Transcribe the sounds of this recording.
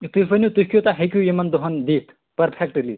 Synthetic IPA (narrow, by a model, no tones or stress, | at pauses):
t̪ufɐnʲut̪ukʲjot̪aɦekʲjujemɐnd̪oɦɐnd̪iːt̪ʰ | pɐɾpʰekʈli